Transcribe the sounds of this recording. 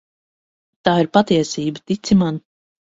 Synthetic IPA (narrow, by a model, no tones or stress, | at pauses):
t̪aːiɾpat̪iɛsiːbət̪it̪siman